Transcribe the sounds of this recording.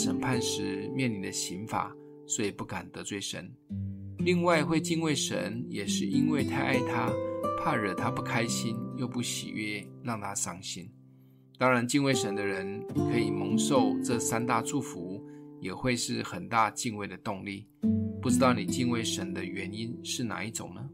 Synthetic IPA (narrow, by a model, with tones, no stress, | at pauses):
ʂə̰˨˩npʰa˥˧nʂɻ̩˧˥˩mjɛ˥˩nli˧˥nd̪ə˧ɕi˧˥nfa̰˨˩˦ | swɔ˧˥i˨˩pu˥˩ka˨˩nt̪ə˧˥t͡swe˥˩ɪʂə̰˧˥n | li˥˧ŋwa˥˧ɪxwe˥˧ɪt͡ɕi˥˧nwe˥˩ɪʂə̰˧˥njɛ˨˩ʂɻ̩˥˩ʔi˦˥nwe˥˩ɪt̪ʰa˥˧ɪʔa˥˩ɪt̪ʰa˦pʰa˥˧ɻə˨˩t̪ʰa˦pu˥˩kʰa˥ɪɕi˦˥njo˥˧ʊpu˥˩ɕḭ˨˩ɥɛ˥˩ɻɑ˥˩ŋt̪ʰa˥ʂɑ˥ŋɕi˥n | t̪ɑ˥ŋɻa˧˥nt͡ɕi˥˧nwe˥˩ɪʂə˧˦nd̪ə˧ɻə˧˦˥nkʰɤ˧˥i˨˩mɤ˧˥ŋʂo˥˧ʊʈ͡ʂɤ˥˨sa˥nt̪a˥˧ʈ͡ʂu˥˩fu˧˦jɛ˨˩xwe˥˧ɪʂɻ̩˥˩xə˨˩nt̪a˥˧t͡ɕi˥˧nwe˥˩ɪd̪ə˩t̪ʊ˥˧ŋli˥˩ | pu˥˩ʈ͡ʂɻ̩˥t̪ɑ˥˩ʊni˨˩t͡ɕi˥˧nwe˥˩ɪʂə˧˦˥nd̪ə˧ɥɛ˧˥ni˥nʂɻ̩˥˩na̰˨˥˦i˥˩ʈ͡ʂʊ̰˨˩ŋnə˦